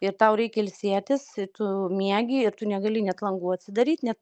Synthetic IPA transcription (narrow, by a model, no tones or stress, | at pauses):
ɪrt̪ɐʊɾʲɛɪkʲɛɪlʲsʲeːt̪ʲɪsɪt̪ʊmʲiɛɡʲiːɪɾt̪ʊnʲɛɡɐlʲɪnʲɛt̪lˠɐŋɡuːɐt̪ʲsʲɪd̪ɐɾʲiːt̪ʲnʲɛt̪